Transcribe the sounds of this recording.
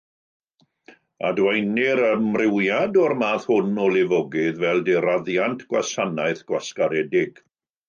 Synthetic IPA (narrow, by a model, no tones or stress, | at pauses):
adwɛjnɪɾəmrɪwjadɔrmaːθhʊnɔlˠɪvɔɡɪðvɛlˠdeɾaðjantʰɡ̥wa̰sanaɨθɡ̥waskaɾɛdɪɡ̥